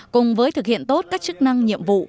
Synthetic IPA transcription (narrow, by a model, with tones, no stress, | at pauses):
kʊ˨˩ŋ͡mvəː˨˦jt̪ʰɨ˨˩k̚hḭ˧˨ənt̪o˦˥t̚kaː˦˥k̚t͡ɕɨ˦˥k̚na˧ŋɲḭ˧˨əmvṵ˧˨